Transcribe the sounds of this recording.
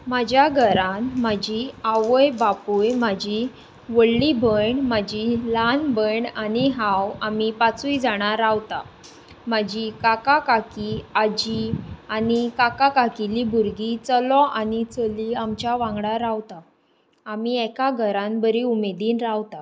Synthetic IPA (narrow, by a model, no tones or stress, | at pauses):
mad͡ʑjaɡʱəɾãnmad͡ʑiaʋəjbapujmad͡ʑi | ʋəɽlibʱəɳmad͡ʑilanbəɳaniɦãwamipat͡suid͡zaɽ̃aɾawt̪a | mad͡ʑikakakakiad͡ʑianikakakakilibʱuɾɡit͡səlɔʔanit͡səliamt͡ɕjaʋãŋɡɽaɾawt̪aː | miɛkaɡʱəɾãnbəɾiumed̪iːnɾaʋt̪a